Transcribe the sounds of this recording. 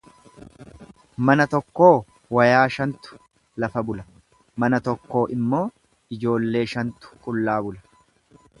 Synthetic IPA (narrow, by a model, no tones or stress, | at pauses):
mɐnɐt̪ɔkːo̞ː | wɐjaːʃɐnt̪ʊ̥ | lɐfɐbʊlɐ | mɐnɐt̪ɔkːo̞ːʔɪmːo̞ː | ɪd͡ʒo̞ːlːe̞ːʃɐnt̪ʊ̥kʼʊlːaːbʊlɐ̥